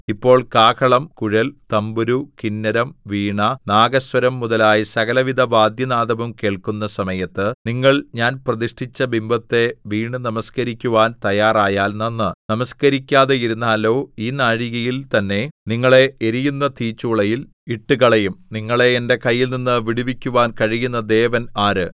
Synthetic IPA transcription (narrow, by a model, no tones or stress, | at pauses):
ipːo̞ːɭkaːkʰɐɭɐmkuɻɐlt̪ɐmbuɾukinːɐɾɐmʋiːɳɐnaːɡɐsʋɐɾɐmːuðɐlaːjɐsɐɣɐlɐʋid̪ʱɐʋaːd̪jɐnaːd̪ɐʋɐmke̞ːɭkunːɐsɐmɐjɐt̪ːɨniŋːɐɭɲaːnprɐðiʂʈʰit͡ɕːɐbimbɐt̪ːe̞ʋiːɳɨnɐmɐskɐɾikʲːuʋaːnt̪ɐjaːraːjaːlnɐnːɨnɐmɐskɐɾikʲːaːðejiɾunːaːlo̞ːiːnaːɻiɣɐjilt̪ɐnːe̞niŋːɐɭe̞eɾijunːɐt̪iːt͡ɕːuːɭɐjil | iʈːuɣɐɭɐjumniŋːɐɭe̞ende̞kɐjːilninːɨʋiɽiʋikʲːuʋaːnkɐɻijunːɐd̪e̞ːʋɐnaːɾɨ